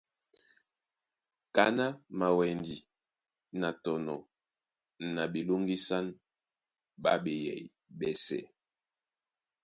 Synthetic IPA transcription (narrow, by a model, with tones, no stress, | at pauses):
ka˦na˦ma˨wɛ˨ndi˨ | na˨tɔ˨nɔ˨ | na˨ɓi˨lo˦ŋɡi˦sa˦n | ɓa˦ɓɛ˨jɛ̰˨j | ɓɛ˨sɛ̰˨